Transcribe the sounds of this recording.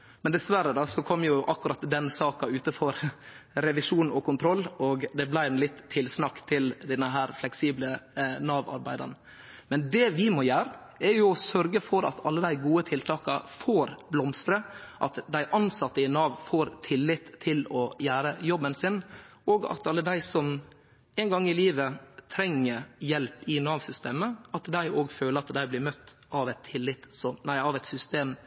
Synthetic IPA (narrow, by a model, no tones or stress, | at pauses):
mɛnd̪ɛsʋæɾəd̪ɑsɔkʰɔmːjʊʔɑkːʉɾɑt̪d̪ɛnsɑːkɑʉːt̪əfɔɾ | ɾɛʋɪʂuːnɔ̰kʰʊnt̪ʰɾɔlːɔɡd̪ɛblæɪɛnlɪt̪ʰːɪlsnɑkːt̪ʰɪld̪ɛnːəɦæːɾflɛksiːblənɑːʋɑ̰ɾbæɪd̪ɑ̰n | mɛnd̪ɛʋɪmɔjæːɾə | ɛɾjʊɔsœɾɡəfɔɾɑ̰t̪ʰɑlːəd̪æɪɡuːət̪ʰɪlt̪ʰɑːkɑfoːɾblɔmst̪ɾəʔɑt̪d̪æɪʔɑnsɑt̪ːəɪnɑːʋfoːɾt̪ʰɪlːɪt̪ʰːɪlɔjæːɾəjɔbːənsɪnoːɡɑ̰t̪ɑlːəd̪æɪsɔm | ɛɪnɡɑŋːɪliːʋət̪ʰɾɛŋːəɾjɛlpɪnɑːʋsʏst̪eːməɑt̪d̪æɪʔoːɡføːləɾɑt̪d̪æɪblɪːɾmœt̪ː | ʔɑʋɛt̪ʰːɪlːɪt̪sɔnæɪɑʋɛɪt̪sʏst̪eːm